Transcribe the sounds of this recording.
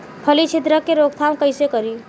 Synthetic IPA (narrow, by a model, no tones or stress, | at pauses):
pʰəlit͡ʃʰit̪ɾəkːeɾoɡ̚t̪ʰamkəjsekəɾi